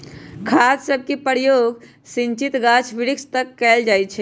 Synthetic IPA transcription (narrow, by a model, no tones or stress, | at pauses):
kʰassəb̚ʱkipəɾjoɡ | sint͡ʃit̪ɡat͡ʃʰʋiɽikst̪əkːɛld͡ʒajt͡ʃʰɛ